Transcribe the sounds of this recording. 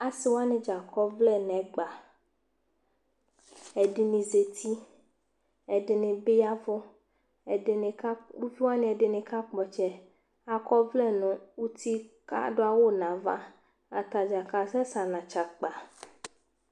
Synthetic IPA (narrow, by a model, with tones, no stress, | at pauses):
a˦si˦wo˦a˦nẽ˨d͡ʒa˨kɔ˦vlɛ˦nɛ̃˨˦ɡ͡ba˨ | ɛ˨de˨nĩ˨ze˨t̪ʰi˦ | ɛ˨de˨ne˨be˦ja˦vɔ˦ | ɛ˨de˨ne˨ka˦wu˦fi˦wa˦nẽ˦ɛ˨de˨nẽ˨ka˦k͡pɔ˨t͡ʃɛ˨ | a˨kɔ˦vlɛ˦˨nũ˨wu˦t̪i˦ka̰˦ɖo˦a˦˨wo˦nã˨va̰˦ | a˨t̪a˨d͡ʒa˨ka˨sɛ˦sa˨nã˨t͡ʃa˨k͡pa˨